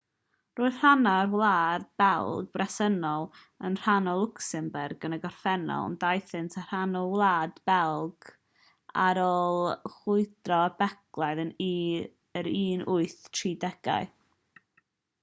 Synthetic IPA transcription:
roːɨðr̥anarwlˠaːd̚bɛlˠɡ̚brɛsənɔlˠ | ənr̥anɔlˠʊksɛmbɛrɡənəɡɔrfɛnɔ̰l̰ˠndajθɪntʰar̥anɔwlˠaːdbɛlˠɡ̥ | a̰ɾɔːlˠχʊɨd̥rɔəbɛɡlˠajðən | əɾiːnʔʊɨθtʰriːdɛɡ̥a̰ɨ

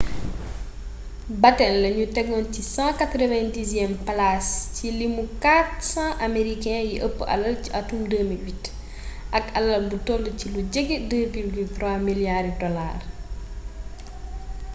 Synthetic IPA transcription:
bɐtɛnlɐɲutɛɡɔncisãːkat̪ɾɔvɛ̃ndizjɛmplascilimukatsãʔameɾikɛ̃jiʔəpːʔɐ̰lːɐlciʔɐtumdəːmiwit | ʔɐkɐlːɐlbutɔlːəciluɟɛɡɛdəvilɡyltɾwaːmiljarddɔla̰ːr

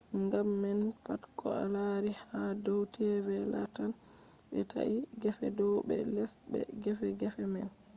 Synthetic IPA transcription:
ŋɡamːɛnpatkʰɔa̰laɾihadawtʰɛbɛla̰tanɓɛtʰa̰ʔiɡɛfɛdɔbɛ̰lɛsbɛ̰ɡɛfɛɡɛfɛmɛl

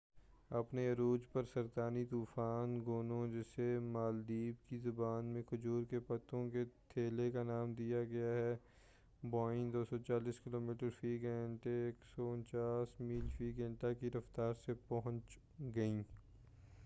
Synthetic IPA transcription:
ɐpneɾuːd͡ʒpɐɾsɐɾt̪aːnit̪uːfaːnɡoːnõd͡ʒɪsemaːld̪iːbkizʊbaːnmẽkʊd͡ʒuːɾkepɐt̪õket̪ʰeːlekanaːmd̪ijaɡɐjaɦɛː | bɔːɪ̃nd̪oːsɔt͡ʃaːliːskɪloːmiːʈəɾfiːɡɛ̃ɳʈeeːksɔʊ̃nt͡ʃaːsmiːlfiːɡɛ̃ːɳʈakiɾɐft̪aːɾsepɐɦʊ̃nt͡ʃ | ɡɐĩː

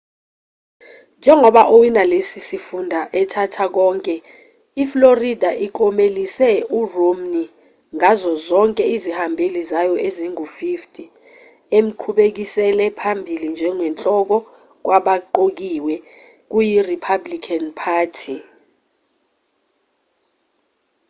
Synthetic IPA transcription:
nd͡ʒʱɛŋɔɓaʔowinalesisifundʱaʔɛtʰatʰak̬ɔːŋkʼɛ | ifloridʱaʔiǃɔmelisɛuromni | ŋazɔzɔŋkʼɛizihambʱelizajɔʔeziŋufiftʰʼi | em̩ǃʰuɓek̬isɛlɛpʰambʱilind͡ʒʱɛŋwɛnt͡ɬʼɔk̬ɔ | k̬waɓaǃok̬iwɛ | k̬ujiripʰablikʰanpʰaːtʰi

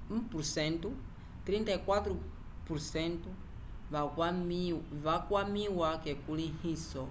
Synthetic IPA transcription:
upuɾsɛntu | t̪ɾintaikwat̪ɾu | puɾsɛntu | a | βakwamiwakɛkulihisɔ

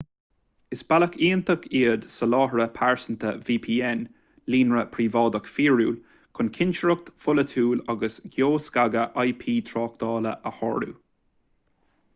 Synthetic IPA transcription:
ɪsb̥aləkʰiːənt̪əkʰiːəd̪̥səlɑːɦəɹəpʰaɹsənt̪ʰə̰viːpʰiːɛn | liːnɹəpʰɾiːvɑːd̪əkfiːɹuːl | kʰʊnkʰɪnʃəɹʊk̚t̪fʊlət̪ʰuːlaɡəsɡjoːsɡaɡəʔajpʰiːt̪ʰɾɑːk̚d̪̥ɑːlə̰ʔəhɔ̰ːɹṵ

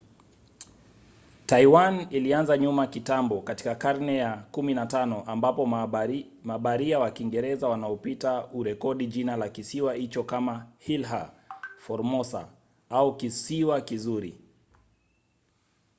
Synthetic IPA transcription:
taiwanilianzaɲumakitambɔkati̥kakaɾnɛjakuminatanɔʔambapɔ | maɓaɾiawakiŋɡɛɾɛzawanaɔpitauɾɛkɔɗiʄinalakisiwahit͡ʃɔkamahilɦa̰fɔɾmɔsa̰ | aukisiwakizuɾḭ

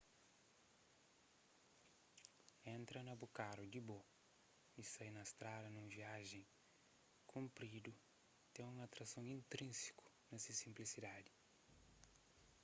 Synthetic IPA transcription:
ẽnt̪ɾɐnɐbukaɾud̪ibo | isajnɐst̪ɾadɐnũviaʒẽj̃ | kʰũmpɾid̪u | t̪ẽŋũŋat̪ɾɐsõwĩnt̪ɾĩnsi̥ku̥ | nɐsisĩmplisid̪ad̪i

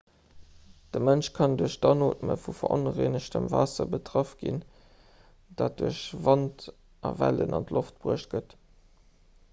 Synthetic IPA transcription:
d̥əmənʃkʰɑnduəɕdɑnoːtmə̰fufɐʔonəʁeːnəɕtəmvaːsɐbətʁɑfɡ̥ḭn | d̥aːt̚d̥uɐɕvɑnt | ʔɑ̰væ̰lə̰nɑntloft̚b̥ʁuəʃt̚ɡ̥ət

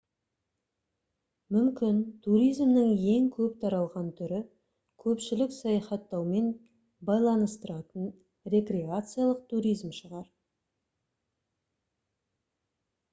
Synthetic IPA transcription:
mʏmkʲɪnt̪ʰuɾijzmnəŋje̞ŋkʲʰɵpt̪ʰɑɾɑlˠʁɑnt̪ʰʏɾɪ | kʲʰɵpʃɪlɪksɑjɑχɑt̪ːɑwme̞n | bɑjlˠɑnəst̪əɾɑt̪ən | ɾe̞kɾʲeat̪sɨjalˠəq̚t̪ʰuɾʲijzmʃəʁɑɾ

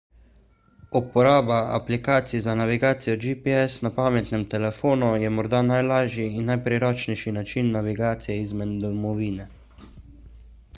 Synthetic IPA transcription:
upɔɾaːbaa̰plikaːt̪sizanaʋiɡaːt̪sijɔd͡ʒipiɛsnapaːmɛt̪nɛmt̪ɛlɛfoːnujɛmɔɾd̪anajlaːʒjiːnːajpɾɛɾɔːt͡ʃnɛjʃinat͡ʃinːaʋiɡaːt̪sijɛizmɛd̪d̪ɔmɔʋiːnɛ

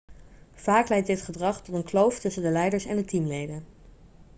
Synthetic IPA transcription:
v̥aːklɛjt̚dɪtχədrɑχtɔtənklowftɵsəndəlɛjdəɹsɛ̰ndətimlejdən

